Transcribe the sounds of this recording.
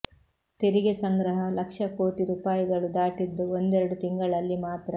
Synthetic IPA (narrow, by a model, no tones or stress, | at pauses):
t̪eɾiɡesɐŋɡɾɐɦɐlɐkʂɐko̞ːʈiɾuːpaːjiɡɐɭud̪aːʈid̪ːuond̪ɛɾɐɽut̪iŋɡɐɭɐlːimaːt̪ɾɐ